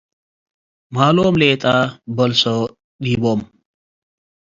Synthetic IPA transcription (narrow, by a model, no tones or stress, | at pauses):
malomlet̪ʼabəlso | ɗibom